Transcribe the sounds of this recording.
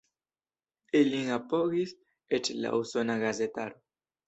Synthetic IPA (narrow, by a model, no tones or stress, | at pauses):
eliŋapoɣis | et͡ʃela̰ʔusonaɣazet̪aɾo